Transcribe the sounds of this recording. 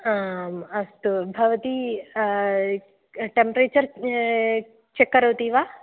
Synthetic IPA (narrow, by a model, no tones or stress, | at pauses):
amɐst̪ubʱɐʋɐt̪i | ʈempɾeːt͡ʃɐɾ | t͡ʃekːɐɾɐwt̪iːʋaː